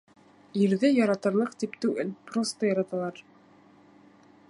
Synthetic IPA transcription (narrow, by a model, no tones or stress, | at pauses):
iɾðɘjɑɾɑt̪ɤ̆ɾlˠɤqt̪ipt̪ʉɡɘ̰lprost̪əjɑɾɑt̪ɑlˠɑɾ